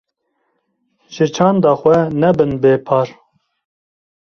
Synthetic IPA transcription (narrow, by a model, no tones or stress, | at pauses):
ʒ̥ɪt͡ʃʰɑːnd̪ɑːxʷɛnɛbɨnbeːpʰɑːɾ